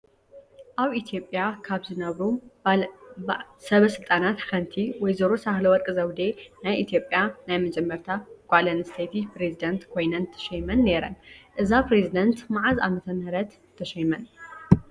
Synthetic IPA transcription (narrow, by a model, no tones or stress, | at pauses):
ʔaβit̪ʰjo̞pʼjakʰaβzɨnɐβɾu | sɐβɐsɨlt̪ʼanat̪kɐnt̪ʰiwɔjzɐɾosahlɐwɔɾkʼɨzɐwd̪enajʔit̪ʰijo̞pʼjanajmɐd͡ʒɐmːɐɾt̪ʰaɡ̥ʷalɐnɨst̪ʰɐjt̪ʰipɾezid̪ɐnt̪kʰo̞jnɐnt̪ʰːɐ̥ʃɐjmɐnːe̞ɾɐ̰nʔɨzapɾezid̪ɐnt̪maʕaza̰mɐt̪ʰɐnɾɐt̪ | t̪ʰːɐʃɐjmɐn